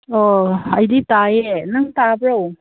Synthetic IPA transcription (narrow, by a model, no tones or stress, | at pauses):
ohajd̪it̪aːjɛnɐŋt̪aːbɾow